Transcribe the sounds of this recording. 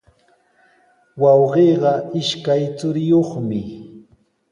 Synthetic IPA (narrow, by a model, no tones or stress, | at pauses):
wɑwɢeːɢɑʔɪʃkajt͡sʊɾɪjoχmɪ